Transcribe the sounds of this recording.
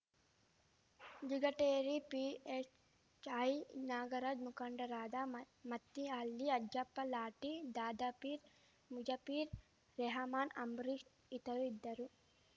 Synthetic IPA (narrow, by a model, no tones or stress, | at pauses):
d͡ʒiɡɐʈeːɾipiːet͡ʃ | t͡ʃɐjnaːɡɐɾaːd͡ʒmukɐɳɖɐɾaːd̪aː | mɐt̪ːiaːlːiɐd͡ʒd͡ʒɐpːɐlaːʈid̪aːd̪aːpiːɾ | mud͡ʒɐpiːɾ | ɾeɦɐmaːnɐ̰mbɾiːʃ | it̪ɐʋid̪ːɐɾu